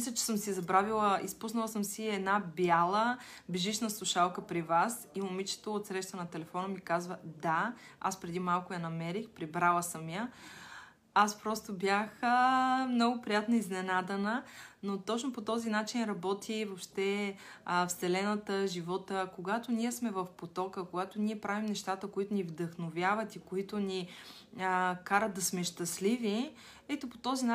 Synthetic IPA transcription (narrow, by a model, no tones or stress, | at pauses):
mmislʲət͡ʃɛ̥səmsizɐbɾavilˠəʔispusnəlˠəsəmsiɛd̪nabjalˠəbiʒiʃnəslˠʊʃalˠkəpɾivasiʊmit͡ʃɛ̥t̪oːt̪sɾɛʃt̪ənɐt̪ɛlɛfɔnəmikazvəd̪a | a̰spɾɛd̪imalˠkʊjɐnɐmɛɾixpɾibɾalˠəsəmjə | aspɾɔst̪obʲjaxəmnɔɡʊpɾijat̪nəiznɛnad̪ɛnənot̪ɔt͡ʃnopot̪ɔzinat͡ʃinɾɐbɔt̪ʰivopʃt̪ɛəfsɛlɛnət̪əʒivɔt̪əkoɡat̪oniɛsmɛvəfpot̪ɔkəkoɡat̪oniɛpɾavimnɛʃt̪at̪əkoit̪ʊnivd̪əxnovʲjavət̪ikoit̪ʊni | əkaɾəd̪d̪ɐsmɛʃt̪ɐslivi | ɛt̪opo̥t̪ɔzina